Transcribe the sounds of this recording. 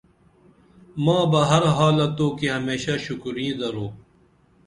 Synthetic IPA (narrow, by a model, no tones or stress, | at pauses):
mãːbɐɦɐɾɦaːlɐt̪ːõːkiɦɐmeːɕaʃʊkɾĩd̪ɐɾoː